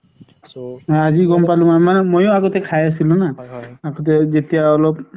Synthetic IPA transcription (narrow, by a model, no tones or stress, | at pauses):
aziɡɔmpalũmamanɛmojoaɡotɛkʰajas̬ilũnaːɡɔt̬ɛzetijaɔlɔp̚